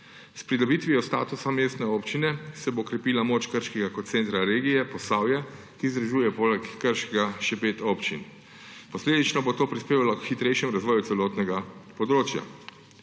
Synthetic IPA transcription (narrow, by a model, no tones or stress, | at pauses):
spɾid̪ɔbiːt̪ʋiɔst̪a̰ːt̪usameːst̪nɛoːpt͡ʃinɛsɛboːkɾɛpilamoːt͡ʃkəɾʃkɛɡakot̪̚t̪sɛːnt̪ɾaɾeːɡijɛpɔsaːwjɛ | kizd̪ɾaʒuːjɛpoːlɛkːəɾʃkɛɡaʃɛpeːt̪oːpt͡ʃin | pɔsleːd̪it͡ʃnɔbot̪oːpɾispeːʋalɔkxit̪ɾɛjʃjɛmɾazʋɔːjut̪sɛlɔːt̪nɛɡapɔd̪ɾoːt͡ʃja̰